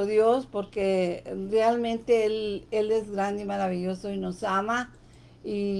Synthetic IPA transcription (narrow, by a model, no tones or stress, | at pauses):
oðjospo̞ɾkerealmẽnt̪e̞elele̞zɡɾand̪eimaɾaβiʎo̞so̞ino̞sama | i